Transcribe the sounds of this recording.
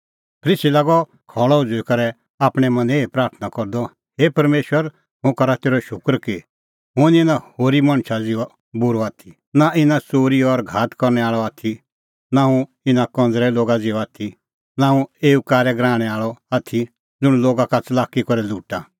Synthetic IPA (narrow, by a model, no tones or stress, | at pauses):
pʰɾɪsilaːɡɔ | kʰɔːɭɔʊd͡zʊikɐɾɛ | aːpɽ̃ɛmɐ̃neːipɾaːɾt̪ʰnakɔɾd̪ɔ | heːpɐɾmeːʃwəɾ | ɦʊ̃kɐɾat̪eːɾɔʃʊkɾke | ɦʊ̃niɪnãhoːɾimɐ̃ɽ̃t͡ʃʰad͡zɪɔ | bʊɾɔaːt̪ʰi | naʔɪnat͡soːɾiɔɾɡʱaːt̪kɔɾnɛaːɭɔaːt̪ʰi | naũ | ɪnakɔ̃nd͡zɾɛloːɡad͡zɪɔaːt̪ʰi | naːũeːukaːɾɛɡɾãːɽ̃ɛaːɭɔaːt̪ʰi | d͡zʊɽ̃loːɡakat͡sɐlaːkikɔɾɛluːʈa